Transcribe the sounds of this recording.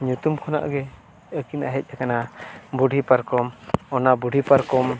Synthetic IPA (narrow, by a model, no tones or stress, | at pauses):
ɲut̪umkʰɔna̰ʔɡɛ | əkina̰ɦɛc̚ˀakanabuɖʱipaɾkɔmɔnabuɖʱipaɾkɔm